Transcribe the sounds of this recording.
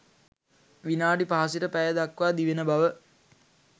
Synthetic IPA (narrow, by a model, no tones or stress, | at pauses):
ʋinaːɖipaɦasiʈəpæjəd̪akʋaːd̪iʋenəbaʋə